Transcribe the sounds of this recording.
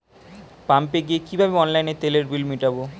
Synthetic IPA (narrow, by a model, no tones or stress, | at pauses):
pampeɡiekibʱabeɔnlajnet̪eleɾbilmiʈabo